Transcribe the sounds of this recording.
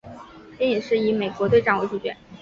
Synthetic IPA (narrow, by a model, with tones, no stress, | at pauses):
pjɛ˥i˨˩ŋʂɻ̩˥˩i˧˥me˨˩ɪkwɔ˧˥t̪we˥˧ɪʈ͡ʂɑ˥˧ŋwu˥˧˩t͡ɕi˥˩t͡ɕɥɛ̰˧˥˦n